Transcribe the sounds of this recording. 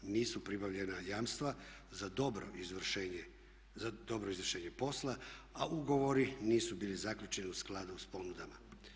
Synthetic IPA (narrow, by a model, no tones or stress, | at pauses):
niːsupɾibaʋʎe̞najaːmst̪ʋa | zad̪obɾoizʋe | ad̪o̞bɾoizʋr̩ʃe̞ːɲe̞po̞slaauɡo̞ʋo̞ɾiniːsubiːlizakʎut͡ʃe̞niusklˠad̪uuspo̞nud̪ama